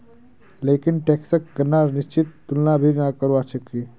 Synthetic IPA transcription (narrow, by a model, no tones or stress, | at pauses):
leːkɪnʈeːksək̚ɡənːaːɾnɪʃt͡ʃɪt̪ːʊlnabʱinakəɾʋat͡ʃəkːi